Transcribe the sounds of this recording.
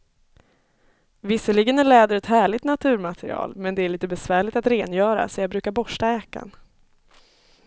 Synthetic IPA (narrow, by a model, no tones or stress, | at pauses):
vɪsːəlɪɡənæɭɛːd̪əɾɛt̪hæːɭɪt̪nat̪ʰʉ̟ːɾmat̪ʰɛɾɪ̰ɑ̰ːlmɛnd̪ɛæɾɭiːt̪əbɛsvæːɭɪt̪at̪ɾeːnjœːɾa̰sɔjɑbɾʉ̟ːkaɾbɔʂʈaɛːka̰n